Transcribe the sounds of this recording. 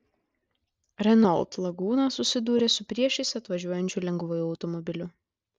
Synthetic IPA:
ɾʲɛnɔlˠt̪lˠɐɡuːnɐsʊsʲɪd̪uːɾʲesʊpʲɾʲiɛʃʲɛɪsʲɐt̪ʋɐʒʲuɔjɛnʲt͡ʃʲʊlʲɛŋɡʋojʊɐʊt̪ɔmɔbʲɪlʲʊ

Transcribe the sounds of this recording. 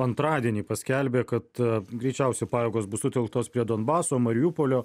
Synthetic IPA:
ɐnt̪ɾɑːd̪ʲiɛnʲiːpɐsʲkʲɛlʲbʲeːkɐt̪ɡɾʲɛɪt͡ʃʲɛˑʊsʲɛɪpɑːjeːɡoːsbʊsʊt̪ʲɛlˠk̚t̪oːspʲɾʲiɛd̪oːnbɑːsoːmɐɾʲɪjuːpoːlʲoː

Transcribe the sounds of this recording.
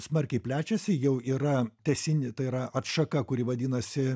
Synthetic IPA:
smɐɾʲkʲɛɪpʲlʲæːt͡ʃʲɛsʲɪjɛʊiːɾɐt̪ʲɛsʲɪnʲɪt̪ɐɪiɾɐʔɐt̪ʃɐkɐkʊɾʲɪʋɐd̪ʲiːnɐsʲɪ

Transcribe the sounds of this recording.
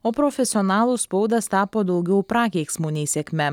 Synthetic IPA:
oːpɾɔfʲɛsʲɪɔnɑːlˠuːspɔʊd̪ɐst̪ɑːpoːd̪ɒʊɡʲɛʊpɾɑːkʲɛɪksmunʲɛɪsʲɛkʲmʲɛ

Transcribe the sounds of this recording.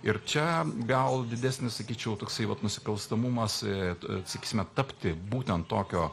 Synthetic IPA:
ɪɾt͡ʃʲɛɡɐlˠd̪ʲɪd̪ʲæsʲnʲɪssɐkʲiːt͡ʃʲɛʊt̪oːksɐɪʋɐt̪nʊsʲɪ̥kɐlˠst̪ɐmʊmɐssɐkʲiːsʲɪmʲɛt̪ɐpʲt̪ʲɪbuːt̪ʲɛnt̪toːkʲoː

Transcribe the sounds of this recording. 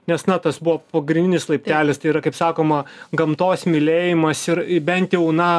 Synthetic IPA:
nʲɛsnɐt̪ɐsbʊʋɐːpɐɡɾʲɪnʲdʲɪnʲɪslˠɐɪpʲt̪ʲæːlʲɪst̪ɐɪiːɾɐkɐɪpsɑːkoːmɐɡɐmt̪oːsmʲɪlʲeːjɪmɐsɪɾbʲɛnʲt̪ʲjɛʊnɐ

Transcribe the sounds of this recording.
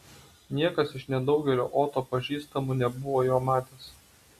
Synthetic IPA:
nʲiɛkɐsɪʃnʲɛd̪ɒʊɡʲɛlʲo̰ːʔoːt̪oːpɐʒʲiːst̪ɐmunʲɛbʊʋoːjoːmɑːt̪ʲeːs

